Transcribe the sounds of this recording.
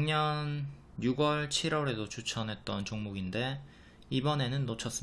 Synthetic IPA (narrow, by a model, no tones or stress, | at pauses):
ŋɲʌn | juɡwʌɭt͡ɕʰiɾwʌɾe̞dot͡ɕut͡ɕʰʌnɦe̞t̚t͈ʌnt͡ɕoŋmoɡinde̞ | ibʌne̞nɯnːot͡ɕʰʌs͈ɯm